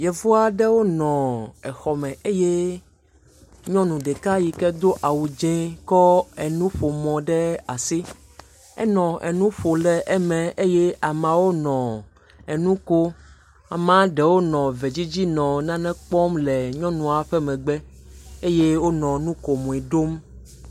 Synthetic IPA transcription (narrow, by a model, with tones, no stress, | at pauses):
jɛ˨vo˦a˦ɖɛ˦wo˦nɔ̃˨ɛ˨xɔ˨mɛ̃˨ʔe˦je˦ | ɲɔ̃˦nũ˨ɖɛ˨ka˦ji˨kɛ˦d̪o˦ʔa˨wu˨d͡ʒɛ̃˦kɔ˦ɛ˨nũ˦ɸo˨mɔ̃˨ɖɛ˦a˨si˦ | ɛ̰˦nɔ̃˨ʔɛ̰˨nũ˦ɸo˨lɛ˨ʔɛ˦mɛ̃˨ʔe˦je˦a˨mã˨wo˦nɔ̃˨ | ɛ˨nũ˦ko˦ | a˨mã˦ɖɛ˨wo˦nɔ̃˨vɛ˨d͡ʑi˦d͡ʑi˦nɔ̃˨nã˦nɛ̃˦k͡pɔ˦mlɛ˨ɲɔ̃˦nũ˨a˨ɸɛ˦mɛ̃˨ɡ͡bɛ˦ | e˦je˦wo˦nɔ̃˨nũ˦ko˨mɔ̃˨i˨ɖo˦m